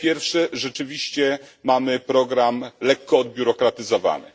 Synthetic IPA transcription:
pʲjɛɾfʂɛʐɛt͡ʂɘvʲiɕt͡ɕɛmamɘpɾɔɡɾamlɛkːɔːd̪̚bʲjuɾɔkɾat̪ɘzɔva̰nɘ̰

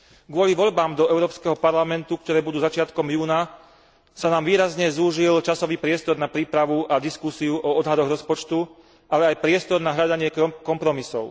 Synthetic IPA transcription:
ɡʊɔliʋɔʎbaːmd̪ɔɛʊɾɔːpskɛɦɔpaɾlamɛnt̪uk̚t̪ɔɾɛːbud̪uːzat͡ʃɪat̪kɔmjuːna | sanaːmʋiːɾazɲɛzuːʒilt͡ʃasɔʋiːpɾɪɛst̪ɔɾnapɾiːpɾaʋuʔad̪iskusiuʔɔɔd̪ɦad̪ɔɣɾɔspɔt͡ʃt̪u | ʔalɛajpɾɪɛst̪ɔɾnaɦʎad̪aɲɪɛkɔmpɾɔmisɔʊ

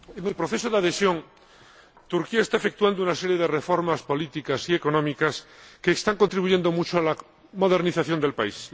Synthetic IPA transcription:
enelpɾoθe̞soðeaðe̞sjo̞ŋ | t̪uɾkiaest̪aefe̞k̚t̪uand̪ounase̞ɾjeðe̞re̞fo̞ɾmaspo̞lit̪ikasie̞ko̞nõmikaskeːst̪aŋkont̪ɾiβuʝe̞nd̪o̞mut͡ʃoala | mo̞ðe̞ɾniθaθjo̞nd̪e̞lpais

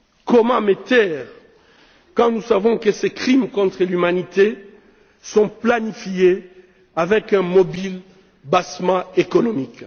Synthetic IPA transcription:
kɔmɑ̃met̪ɛːʁ | kɑ̃nusavɔ̃kəsekχimkɔ̃t̪χəlymanit̪e | sɔ̃planifije | avɛkɛ̃mobil | basmɑ̃ekɔnɔmik

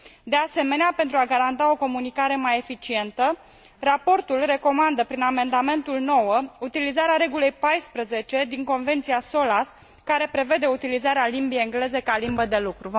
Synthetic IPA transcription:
d̪e̞ase̞me̞neape̞nt̪ɾuaɡaɾant̪ao̞ko̞munikaɾe̞maje̞fit͡ʃie̞nt̪ə | rapo̞rt̪ulre̞ko̞mand̪əpɾiname̞nd̪ame̞nt̪ulno̞wəut̪ilizaɾeaɾe̞ɡule̞jpajspɾəze̞t͡ʃe̞d̪iŋko̞nve̞nt̪siaso̞las | kaɾe̞pɾe̞ve̞d̪e̞ut̪ilizaɾealimbijeŋɡle̞ze̞kalimbəd̪e̞lukɾuv

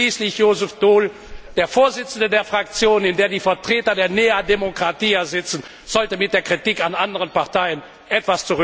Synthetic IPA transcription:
iːslɪçjoːzʊfd̥oːl | d̥eːɐfoːɐzɪt͡sn̩dədeːɐfʁ̥ak̚t͡sjoːnɪndeːɐdiːfɛɐtʁ̥eːtɐdeːɐneːademokʁ̥atiːɛɐzɪt͡sn̩ | z̥ɔltəmɪt̚d̥eːɐkʁ̥itiːkanʔandəʁənpaʁtaɪən | ʔɛtv̥ast͡suʁ

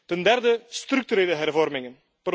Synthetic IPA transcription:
təndɛrdəst̪rʏk̚tyɾeːləɦɛrvɔrmɪŋən | pr

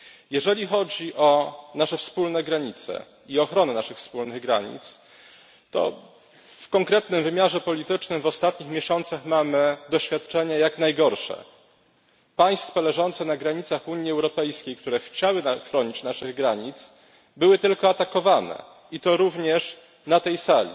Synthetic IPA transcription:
jɛʐɛlʲixɔd͡ʑiʔɔnaʂɛfspulnɛɡɾaɲit̪sɛ̰ | iɔxɾɔnɛnaʂɘxfspulnɘɣɡɾa̰ɲḭt̪s | t̪ɔ̰ | fkɔŋkɾɛt̪nɘmvɘmʲjaʐɛpɔlʲit̪ɘt͡ʂnɘmvɔst̪at̪ɲixmʲeɕɔnt̪saxmamɘd̪ɔɕfʲjat̪̚t͡ʂɛɲajakn̪ajɡɔɾʂɛ̰ | paj̃st̪fɔlɛʐɔnt̪sɛnaɡɾaɲit̪saxuɲjiɛwɾɔpɛjskʲejk̚t̪uɾɛxt͡ɕawɘnaxɾɔɲit͡ɕnaʂɘɣɡɾaɲit̪s | bɘwɘt̪ɘlkɔat̪akɔvanɛ̰ | it̪ɔɾuvɲɛʂ | nat̪ɛjsalʲḭ

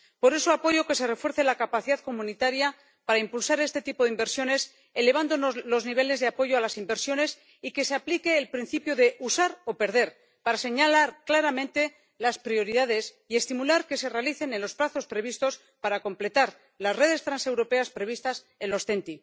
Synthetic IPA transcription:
po̞ɾe̞soapo̞ʝo̞ke̞se̞re̞fwe̞ɾθe̞lakapaθiðaðko̞mũnit̪aɾja | paɾaimpulsaɾe̞st̪e̞t̪ipo̞ðimbe̞ɾsjo̞ne̞s | e̞le̞β̞and̪onlo̞zniβ̞e̞le̞zðeapo̞ʝo̞alasimbeɾsjo̞ne̞s | ike̞se̞aplike̞ːlpɾin̟θipjoðe̞ʔusaɾo̞pe̞ɾð̞e̞ɾ | paɾase̞ɲalaɾklaɾamẽ̞nt̪e̞ | laspɾio̞ɾiðaðe̞s | ie̞st̪imulaɾke̞se̞re̞aliθe̞nenlo̞splaθo̞spɾe̞β̞ist̪o̞s | paɾako̞mple̞t̪aɾ | laszre̞ð̞e̞st̪ɾanse̞wɾo̞pe̞aspɾe̞β̞ist̪as | e̞nlo̞sθe̞nt̪i

